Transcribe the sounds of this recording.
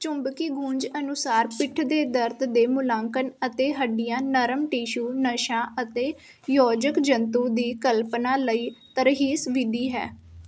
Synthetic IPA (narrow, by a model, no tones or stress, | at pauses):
t͡ʃʊmbkiːɡũːɲd͡ʒənʊsaːɾpɪʈʰd̪eːd̪əɾd̪d̪eːmʊlãːŋkənət̪eːɦəɖɪjãːnəɾəmʈiːʃuːnəʃãːʔət̪eː | jɔːd͡ʒəkd͡ʒənt̪ũːd̪iːkəlpnaːləiːt̪əɾɦiːsʋɪd̪iːɦɛ̰ː